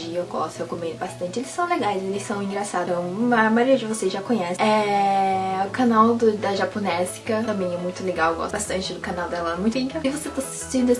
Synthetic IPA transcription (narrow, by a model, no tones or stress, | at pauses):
iewɡɔst̪ʊhekomẽnd̪ʊbast̪ɐ̃nt͡ʃɪelɪsɐ̃w̃leɡajzelɪssɐ̃w̃ĩŋɡɾasad̪ɐ̃w̃ɐmaɾiɐd͡ʒɪvoseʒakõɲɛsɛ | ʊkanawd̪ʊd̪ɐʒaponɛzkɐt̪ɐ̃mẽj̃ɛmũj̃t̪ʊleɡaweɡɔ̰sbast̪ɐ̃nt͡ʃɪd̪ʊkanawd̪ɛlãmũj̃t̪ʊĩɡɾaɪvoset̪asi̥st͡ʃĩnd̪ʊɛs